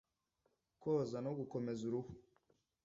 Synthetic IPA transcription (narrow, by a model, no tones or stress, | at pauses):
kozanoɡukomezuɾuhu